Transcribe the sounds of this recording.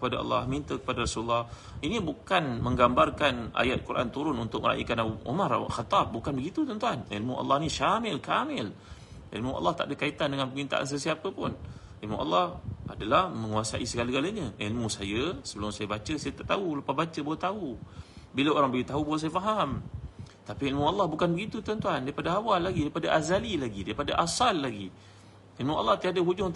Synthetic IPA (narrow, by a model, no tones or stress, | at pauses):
kəpadaɑ̰lːɑhmint̪akə̥padaɾasullːɑh | inĩbukanmə̃ŋɡambarkanʔa̰jat̪̚kuɾʔa̰nt̪uɾʊnunt̪ʊk̚məɾa̰ʔḭkanaṵmar̰xat̪ɑp̚bukanbəɡit̪ut̪ɔnt̪uanḛlmuʔɑ̰lːɑhnĩʃamɪlkamɪl | ʔḭlmuʔɑ̰lːɑht̪aʔdəkait̪andəŋanpəmint̪a̰ʔa̰ns̬əsiapəpʊn | ilmṵʔɑ̰lːɑhadalahmə̃ŋuasa̰ʔisəɡaləɡalaɲəʔilmusajəsəbəlʊmsajəbat͡ʃəsajət̪aʔt̪auləpahbat͡ʃəboat̪aubilaoɾaŋbəɡit̪aɦubuas̬ajəfaɦamt̪apiilmualːɑhbukanbəɡit̪ut̪əant̪uandaipadaawalːaɡidaipadaʔazalilaɡidaipadaʔasalːaɡi | ilmuʔa̰lːɑht̪iadəɦud͡ʒʊŋ